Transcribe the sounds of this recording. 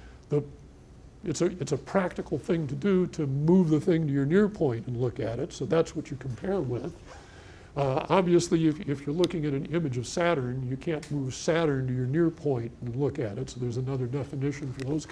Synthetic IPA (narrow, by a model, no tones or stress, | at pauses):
ðə | ɨtsɨɨtsɨpʰɹ̥æk̚tɨkl̩ˠθɪ̃ŋtʰɨdɨɾɨmuvðəθɪ̃ŋtɨjə˞nɪɹpʰɔ̃ɪ̃ntɨ̃n̩lʊkɨɾɨtsoʊðætswʌt͡ʃə˞kʰm̩pʰɛɹwɪð̥ | ɑbviɨsliɨfɪfjə˞lʊkɪ̃ŋɨɾɨ̃n̩ɪ̃mɨd͡ʒʌv̥sæɾə̃˞njɨkʰæ̃nmuv̥sæɾə̃˞ntɨjə˞nɪɹpʰɔ̃ɪ̃ntn̩lʊkɨɾɨtsoʊðə˞zɨnʌðə˞dɛfɨnɪʃɨ̃nfə˞ðoʊz̥